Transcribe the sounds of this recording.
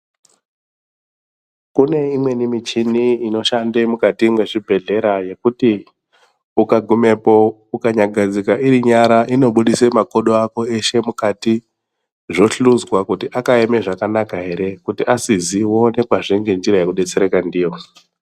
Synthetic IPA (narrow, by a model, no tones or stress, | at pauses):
kune̞imwe̞nimit͡ʃiniino̞ʃandemukatimwe̞ʐibʱe̞ɮe̞ɾaje̞kuti | ukaɡʱume̞po̞ | ukaɲaɡʱad͡zikaʔiɾiɲaɾaʔino̞ɓuɗisemako̞ɗoako̞e̞ʃe̞mukati | ʐo̞ɬuzwakutiʔakaeme̞ʐakanakaɦe̞ɾe̞kutiʔasiziwo̞ne̞kwaʐiŋɡe̞nd͡ʒiɾajekuɗe̞t͡se̞ɾekandiːjo̞